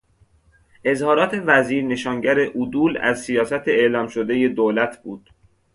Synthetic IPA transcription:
ʔe̞zhɒːɾɒːt̪ʰe̞væziːɾne̞ʃɒːŋɟæɾeʔud̪uːlæ̰zsijɒːsæt̪ʰeeːlɒːmʃod̪e̞je̞d̪oːlæt̪ʰb̥uːd̪̥

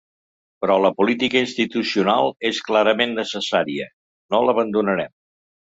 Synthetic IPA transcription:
pɾɔləpulit̪ikəinst̪it̪usiunalˠesklaɾəmenːəsəsaɾiə | noləβənd̪unəɾɛm

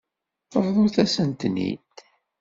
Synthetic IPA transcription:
θəvðˤuθæsənt̪nḭt̪

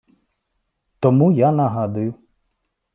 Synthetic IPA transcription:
t̪ɔmujanɐɦad̪ʊjʊ

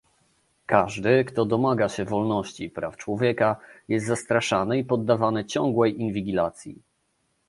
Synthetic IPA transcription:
kaʐd̪ɘkt̪ɔd̪ɔmaɡaɕɛvɔlnɔɕt͡ɕipɾaft͡ʂwɔvʲjɛkajɛst̪zast̪ɾaʂanɘipɔd̪ːavanɘt͡ɕɔŋɡwɛjʔinvʲiɡʲilat̪sʲjḭ

